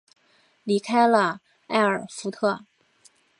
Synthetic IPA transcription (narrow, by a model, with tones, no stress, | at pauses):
li˧˥kʰa˥ɪlə˧ | a̰˥˩ɪə˞˨˩fu˧˥t̪ʰɤ˥˩